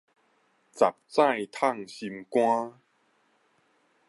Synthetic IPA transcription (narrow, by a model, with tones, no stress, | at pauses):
t͡sa˨˩p̚t͡sã˥˧˨jt̪ʰa˥˨ŋɕi˧mkw̃ã˦